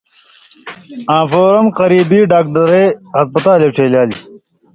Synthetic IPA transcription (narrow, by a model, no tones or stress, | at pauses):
ãːfoːɾɐmqɐɾiːbiɖaːk̚ɖɐɾeːɦɐspɐt̪aːleʈʰeːljaːli